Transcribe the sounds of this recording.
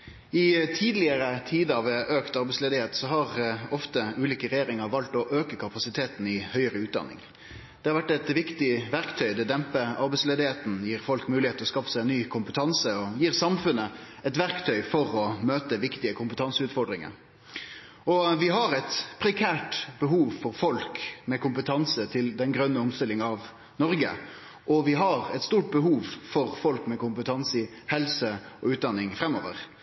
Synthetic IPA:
ɪt̪ʰiːd̪lɪəɾət̪ʰiːd̪əɑʋʔøːkt̪ɑɾbɛɪsleːd̪ɪheːt̪sɔɦɑʁɔft̪əʉːliːkəɾɛjeːɾɪŋəɾʋɑlt̪ɔʔøːkəkʰɑpɑsɪt̪ʰeːt̪n̩ɪhœʏəɾəʉːt̪̚d̪ɑ̰nːɪ̰ŋ | d̪̥ɛhɑɾʋæʈːɛt̪ʋɪkt̪ɪʋæɾkt̪ʰœʏd̪ɛd̪ɛmpəɑ̰ɾbɛɪsleːd̪ɪheːt̪n̩jiːɾfɔlkmʉːlɪeːt̪əɔskɑːfəsæɪɛnːyːkʰʊmpət̪ʰɑnsəɔjiːɾsɑmfʉnə | ɛt̪ʋæɾkt̪ʰœʏfɔʁɔmøːt̪əʋɪkt̪ɪəkʰʊmpət̪ʰɑnsəʉːt̪fɔɖɾɪŋə̰ | ɔʋɪɦɑɾɛt̪pʰɾɛkʰæːʈbəɦuːʋfɔʁfɔlkmɛkʊmpət̪ʰɑnsət̪ʰɪld̪ɛnɡɾœnːəʊmst̪ɪlːɪŋəɑʋ | nɔɾɡə̰ | ʔɔʋɪɦɑɾɛt̪st̪uːʈ̚bəɦuːʋfɔʁfɔlkmɛkʊmpət̪ʰɑnsɪ | hɛlsəɔʉːt̪̚d̪ɑnːɪŋfɾɛmːoːʋə̰ʁ

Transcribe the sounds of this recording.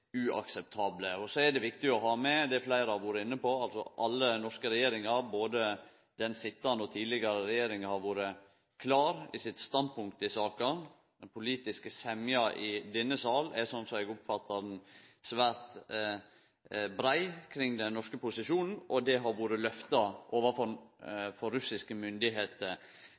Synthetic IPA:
ʉʔɑ̰ksɛp̚t̪ʰɑːbləɔsɔɛd̪ɛʋɪkt̪ɪɔɦɑːmɛd̪ɛflæɪɾəɑʋuːɾəɪnːəpɔɑlsɔ̰ʔɑlːənɔʂkəɾɛjeːɾɪŋɑɾboːd̪ə | d̪̥ɛnsɪt̪ːɑnəɔt̪ʰiːd̪lɪɡɑɾəɾɛjeːɾɪŋhɑɾʋuːɾə | kʰlɑːɾɪsɪt̪st̪ɑnd̪̚pʰʊŋk̚t̪əɪsɑːkɑn | d̪ɛnpʰʊliːt̪ɪskəsɛmjɑʔɪd̪ɛnːəsɑːlɛsɔnsɔmɛɡʊpfɑt̪ːɑɾnsʋæːɾt̪ | bɾæɪkʰɾɪŋːd̪ɛnːɔʂkəpʊsɪʂuːnn̩ʔɔd̪ɛɦɑɾʋuːɾəlœft̪ɑʔoːʋəɾfɔɾfɔɾːʉsɪskəmʏnd̪ɪɦeːt̪əɾ

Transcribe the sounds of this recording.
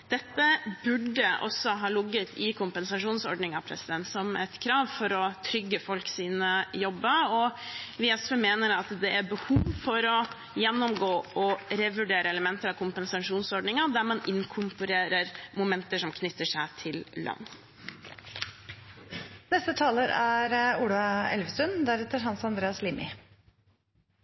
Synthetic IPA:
d̪̥ɛt̪ːəbʉɖːəʔɔ̰sːɔɦɑːlʊɡːət̪ʰɪkʰʊmpənsɑʂuːnsɔɾɖɳɪŋɑpʰɾɛ̰sɪd̪ɛnt̪sɔmɛt̪kʰɾɑːʋfɔɾɔt̪ʰɾʏɡːəfɔlksiːnəjɔbːəɔʋɪɛsfəːmeːnəɾɑt̪d̪ɛʔæɾbəhuːʋfɔɾɔ | jɛnːɔmɡoːɔɾɛʋʉɖeːɾəɛləmɛnt̪əɾɑkʰʊmpənsɑʂuːnsɔɾɖɳnɪŋɑd̪æɾmɑnɪŋkʰʊmpʊɾeːɾəɾmʊmɛnt̪əʂɔmkʰnʏt̪ːəʂæɪt̪ʰɪllɑ̰nː | nɛst̪ət̪ʰɑːləɾæɾʊɽʊɑɛ̰lʋəsʉnd̪æɾɛt̪ːəɾɦɑnsɑnd̪ɾeːɑsliːmɪ̰

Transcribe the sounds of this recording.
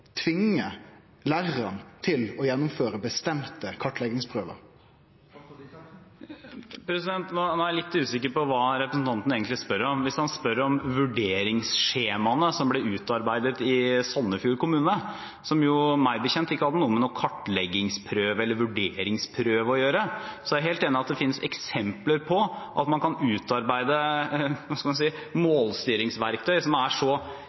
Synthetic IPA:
t̪ʰʋɪŋə | læɾənt̪ʰɪlɔjɛnːʊmføːɾəbəst̪ɛmt̪əkʰɑʈlɛɡɪŋspʰɾøːʋə̰ɾ | pʰɾɛsɪd̪ɛnt̪nɔnɔːæɾɭɪt̪ːʉːsɪkːəɾpɔʋɑːɾɛpɾəsn̩t̪ʰɑnt̪əneːɡənt̪lɪspœɾəɾɔmʋɪshɑnspœɾəɾɔmʋʉɖeːɾɪŋsʃeːmɑnəsɔmblɛʉːt̪ɑɾbæɪd̪ət̪ɪsɔnːəfjuːɾkʊmʉːnə | sɔmjʊmæɪbəçɛnt̪ɪkːəhɑd̪ənuːəmɛnuːkʰɑʈːlɛɡɪŋspʰɾøːʋɛlːəɾʋʉɖeːɾɪŋspʰɾøːʋəɔjøːɾəsɔæɛɦeːlt̪eːnɪɑt̪̚d̪ɛfɪnːəsɛ̰ksɛmpləɾpʰɔʔɑt̪mɑnkʰɑnʉːt̪ɑɾbæɪd̪əʋɑskɑmɑnsiːmoːlst̪yːɾɪŋsʋæɾk̚t̪ʰœʏsɔmæʂɔ

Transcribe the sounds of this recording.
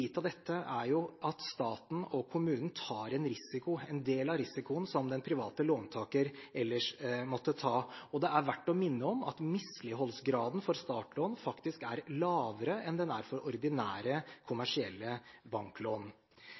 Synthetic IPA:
iːt̪ɑʋd̪ɛt̪ʰːəʔæɾjʊʔɑt̪st̪ɑːt̪n̩ɔkʰʊmʉːnn̩t̪ʰɑːɾɛnɾɪsɪkʊɛnd̪eːlɑɾɪsɪkʊənsɔmd̪ɛnpʰɾɪʋɑːt̪əloːnt̪ʰɑːkəɾɛlːəʂmɔt̪ːət̪ʰɑːɔd̪ɛæɾʋæʈːɔmɪnːəɔmɑ̰t̪mɪslɪɦɔlsɡɾɑːd̪n̩fɔɾst̪ɑːʈloːnfɑkt̪ɪskæɾlɑːʋəɾəɛnd̪ɛnæɾfɔɾɔɾd̪ɪnæːɾəkʰʊmæʂɪɛlːəbɑŋkloːn

